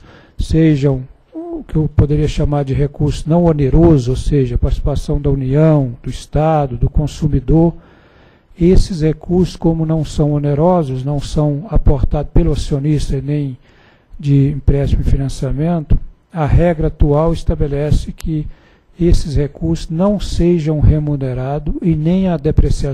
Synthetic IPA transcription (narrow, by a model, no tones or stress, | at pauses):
seʒɐ̃w̃ | ʊkɪewpod̪eɾiɐʃamaɾd͡ʒɪɦekuɾsʊ̥nɐ̃w̃oneɾozʊowseʒɐpaɾt͡ʃɪ̥si̥pasɐ̃w̃d̪ɐuniɐ̃w̃d̪̥ʊist̪ad̪ʊd̪ʊkõsumid̪oɾ | esɪshekuɾsʊ̥skõmʊnɐ̃w̃sɐ̃w̃oneɾɔzʊsnɐ̃w̃sɐ̃w̃apoɾt̪ad̪ʊspelʊasionist̪ɐnẽj̃ | d͡ʒɪĩpɾɛst͡ʃimʊɪfinɐ̃siamẽnt̪ʊ̥ | ɐɦɛɡɾɐat̪uawɪst̪abelɛsɪkʰɪ | esɪshekuɾsʊznɐ̃w̃seʒɐ̃w̃ɦemuneɾad̪ʊɪnẽj̃ɐd̪epɾesia